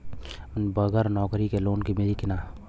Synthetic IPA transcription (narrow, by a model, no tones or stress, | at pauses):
nbɐɡəɾnɔːkɾikeloːnkimeɾikɪnaː